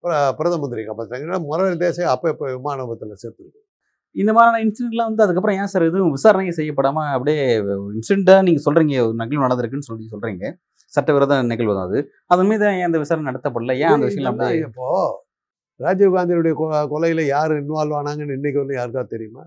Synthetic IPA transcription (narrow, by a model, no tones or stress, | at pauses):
pɾpɪɾɐðɐmɐnd̪ɪɾikapaɐŋɡɐnːamʊɾɐʋɐɾid̪eːsɐjɐpːoːɪpːoːʋɪmaːnɐbɐt̪ːɪlɐseːɾt̪ːɪɾɯkːɯ | ɪnd̪ɐmaːɾaːnɐɪnsɪɖɛɳʈlãːʋɐnd̪ɯɐðɯk̬ːɐp̬ːɾɔ̃jaːsaɾðɯʋɪsaːɾɐnɐjɐsɛjːɐpːɐɽaːmaːɐpːɐɽɪjeɪnsɪɽɛɳʈãniːŋɡɐsɔlɾiːŋɡɐɯnɐɣɐɭnɐɽɐnd̪ɪɾɯkːɯnːɯsɔlːisɔlɾiːŋɡɐ | sɐʈːɐʋɪɾɐðãnɛɣɐɭʋɐna̰ːðɯ | ɐðɐnmiːðãːẽːɐnd̪ɐʋɪsaːɾɐnnɐɽɐt̪ːɐp̬ːɐːɽɐlɐjãːɐnd̪ɐʋɪʂɐj̃lãːɐpːɐpːoː | ɾaːd͡ʒɐʋɣaːnd̪ɪɾʊɽɐjɐkɔkɔlɐjɪlɐjaːɾɯɪnːɯʋaːlʋaːnaːŋɡɐnːɯɪnːɪk̬ʲːɪɐlːɯjaːɾɯkːaɐt̪ɛɾɪjɯma̰ː